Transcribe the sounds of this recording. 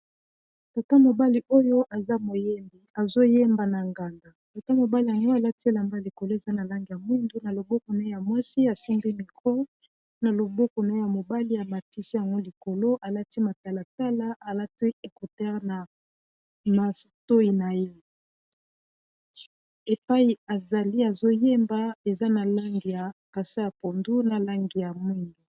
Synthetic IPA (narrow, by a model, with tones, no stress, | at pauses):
ta˨ta˦mo˨ba˦li˨ʔo˦jo˦ʔa˨za˦mo˨je˦mbi˨a˨zo˦je˦mba˨na˨ŋɡa˨nda˨ta˨ta˦mo˨ba˦li˨ja˨ŋɡo˦a˨la˦ti˦e˦˨la˨mba˦li˨ko˨lo˦e˨za˦na˨la˦ŋɡi˨ja˨mwi˦ndu˦na˨lo˨bo˦ko˨na˨˦o˦ja˨mwa˦si˦a˨si˦ŋɡi˦mi˨ko˦ | na˨lo˨bo˦ko˨na˨˦e˦ja˨mo˨ba˦li˦ja˨ma˨ti˦si˦ja˨ŋɡo˦li˨ko˨lo˦ʔa˨la˦ti˦ma˨ta˨la˨ta˦la˦a˨la˦ti˦e˨ku˨ta˦ʁna˨ | ma˨to˦i˨na˨je˦ | e˨pa˦i˨a˨za˨li˦a˨zo˦je˦mba˦e˨za˦na˨la˦ŋɡi˨ja˨ka˨sa˦ja˨po˨ndu˦na˨la˦ŋɡi˨ja˨mwi˦ndu˨